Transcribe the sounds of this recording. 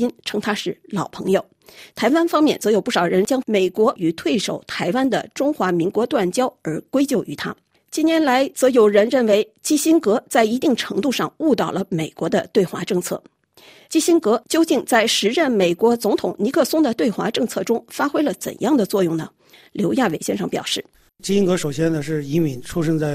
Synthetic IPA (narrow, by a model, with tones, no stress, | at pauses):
i˥nʈ͡ʂʰɤ˥ŋt̪ʰa˥ʂɻ̩˥˩lɑ˨˩ʊpʰɤ˧˥ŋjo˨˩ʊ | t̪ʰa˧˥ɪwa˥nfɑ˥ŋmjɛ˥˩nt͡sɤ˧˥jo˨˩ʊp̬u˥˩ʂɑ˨˩ʊɻə˧˥nt͡ɕjɑ˥ŋme˨˩ɪkwɔ˧˥ʔy˨˩t̪ʰwe˥˩ɪʂo˨˩ʊt̪ʰa˧˥ɪwa˥nd̪ə̰˨ʈ͡ʂʊ˥ŋxwa˧˥mi˧˥ŋkwɔ˧˥t̪wa˥˩nt͡ɕjɑ˥ʊə˞˧˥kwe˥ɪt͡ɕjo˥˩ʊʔy˧˥t̪ʰa̰˥ | t͡ɕi˥˩njɛ˧˥nla˧˥ɪt͡sɤ˧˥jo˨˩ʊɻə˧˥nɻə˥˩nwe˧˥ɪ | t͡ɕi˥ɕi˥nkɤ˧˥t͡sa˥˩ɪi˧˥t̪i˥˩ŋʈ͡ʂʰɤ˧˥ŋt̪u˥˧ʂɑ̰˥˧ŋu˥˧t̪ɑ˥˩ʊlə˦me˨˩ɪkwɔ˧˥d̪ə˧t̪we˥˩ɪxwa˧˥ʈ͡ʂɤ˥˧ŋt͡sʰɤ̰˥˩ | t͡ɕi˥ɕi˥nkɤ˧˥t͡ɕjo˥ʊt͡ɕi˥˧ŋt͡sa˥˩ɪʂɻ̩˧˥ɻə˥˩nme˨˩ɪkwɔ˧˥t͡sʊ˧˥ŋt̪ʰʊ˨˩ŋni˧˥kʰɤ˥˧sʊ˥ŋd̪ə˨t̪we˥˩ɪxwa̰˧˥ʈ͡ʂɤ˥˧ŋt͡sʰɤ˥˩ʈ͡ʂʊ˥ŋfa˥xwe˥ɪlə˨t͡sə̰˨˩njɑ˥˩ŋd̪ə˩t͡swɔ˥˧jʊ˥˩ŋnə˩ | ljo˧˥ʊja˥˩we˨˩ɪɕjɛ˥nʂɑ˥˩ŋpjɑ̰˨˩ʊʂɻ̩˥˩ | t͡ɕi˥ɕi˥ŋkɤ˧˥ʂo˨˩ʊɕjɛ˥nd̪ə˨ʂɻ̩˥˩i˧˥mi˧˥nʈ͡ʂʰu˥ʂɤ˥ŋt͡sa˥˩ɪ